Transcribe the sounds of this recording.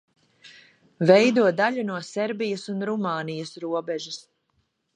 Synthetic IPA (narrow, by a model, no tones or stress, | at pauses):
vɛjd̪uɔd̪aʎunuɔsɛɾbijasunɾumaːnijɐsɾuɔbɛʒas